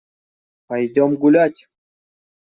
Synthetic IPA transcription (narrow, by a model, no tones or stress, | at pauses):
pajd̪ʲomɡulʲat̪ʲ